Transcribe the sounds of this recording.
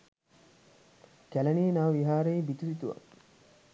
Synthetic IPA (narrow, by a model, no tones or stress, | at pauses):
kælɐniːnaːʋiɦaːɾeibit̪uɾit̪uʋɐ̰